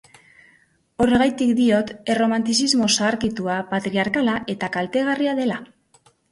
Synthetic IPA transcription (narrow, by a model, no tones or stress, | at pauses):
o̞reɣajt̪ikd̪io̞t̪e̞ro̞mant̪isizmo̞saːɾkit̪uapat̪ɾiaɾkalaʔe̞t̪akalt̪e̞ɣ̞ariaðe̞la